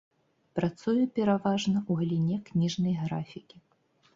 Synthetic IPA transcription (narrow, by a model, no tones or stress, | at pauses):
pɾat̪sujupʲɛɾavaʐnɐuɣɐlʲinʲɛknʲiʐnɐjɣɾafʲikʲi